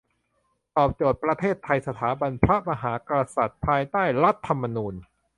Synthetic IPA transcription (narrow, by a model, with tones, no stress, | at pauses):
t̪ɔː˨˩p̚t͡ɕoː˨˩t̪̚pɾa˧t̪ʰeː˥˩t̪ʰːa˧jsa˧t̪ʰaː˩˦ba˧npʰɾa˦˥ma˧ɦaː˩˦kɾa˧sa˨˩t̪̚pʰaː˧jt̪aː˥˩jɾa˦˥t̪ʰːa˧mːa˧nuː˧n